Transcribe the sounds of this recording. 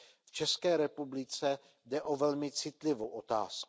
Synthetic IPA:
ft͡ʃɛskɛːɾɛpublɪt͡sɛ | dɛʔo̞vɛlmɪt͡sɪt̪lɪvowʔot̪a̰ːsk

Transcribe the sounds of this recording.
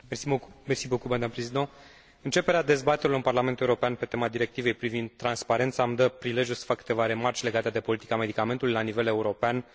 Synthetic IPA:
mesimersibokumad̪ampɾezid̪a | ɨnt͡ʃe̞peɾead̪e̞zbat̪eɾiloɨnparlame̞nt̪ueuɾo̞peanpe̞t̪e̞mad̪iɾe̞k̚t̪ivejpɾivind̪̚t̪ːɾanspaɾe̞nt̪samd̪əpɾile̞ʒjulsə̥fakːɨ̥t̪e̞vaɾe̞mart͡ʃʲle̞ɡat̪ed̪e̞po̞lit̪i̥kame̞d̪ikame̞nt̪ulujlanive̞le̞uɾo̞pean

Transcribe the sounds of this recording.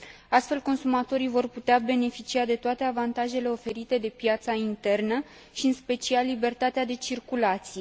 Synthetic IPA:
ast̪fe̞lko̞nsumat̪o̞ɾijvo̞rput̪eabe̞ne̞fit͡ʃiad̪e̞t̪oat̪e̞avant̪aʒe̞le̞o̞fe̞ɾit̪e̞d̪e̞pjat̪saint̪e̞rnə | ʃiɨnspe̞t͡ʃialːibe̞rt̪at̪ead̪e̞t͡ʃirkulat̪sije̞

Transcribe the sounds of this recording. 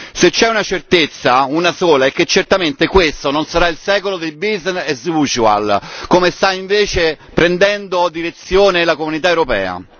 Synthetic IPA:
set͡ʃːɛunat͡ʃert̪et̪sːaunasoːlaɛkːet͡ʃːert̪ament̪ekwest̪ononsaɾailsɛːkolod̪elbiznɛzut͡ʃua̰lkomest̪aiɱveːt͡ʃe | pɾend̪ɛnd̪od̪iɾet̪sːjoːnelakomunit̪aewɾopɛ̰ːa̰

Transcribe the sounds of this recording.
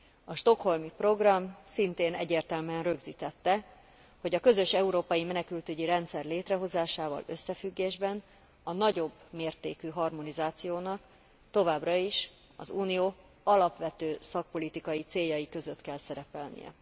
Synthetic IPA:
ɒʃt̪o̞kho̞lmipro̞ɡrɒmsint̪eːnɛ̰ɟeːrt̪ɛlmɛnrøɡziːt̪ɛt̪ːɛ | ho̞ɟɒkø̞zø̞ʃɛuɾoːpɒjimɛnɛkylt̪yɟiɾɛnt̪sɛrleːt̪rɛɦo̞zaːʃaːvɒ̰lø̞sːɛfyɡːeːʒbɛn | ɒnɒɟo̞bːmeːrt̪eːkyɦɒrmo̞nizaːt̪sijoːnɒk | t̪o̞vaːbrɒiʃ | ɒ̰zuːnijoː | ɒlɒpʋɛt̪øːsɒk̚po̞lit̪ikɒjit̪seːjːɒjikø̞zøt̪kɛlsɛɾɛpɛlnḭjɛ̰

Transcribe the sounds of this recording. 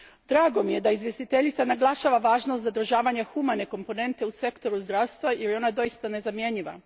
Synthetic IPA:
d̪ɾaːɡo̞mije̞d̪aizʋje̞st̪it̪e̞ʎit̪sanaɡlˠaʃaʋaʋaːʒnost̪zad̪ɾ̩ʒaːʋaɲexumane̞ko̞mpo̞ne̞nt̪e̞use̞kt̪o̞ɾuzd̪ɾawst̪ʋajʔeɾjo̞nad̪o̞jist̪ane̞zamje̞ɲiʋa̰

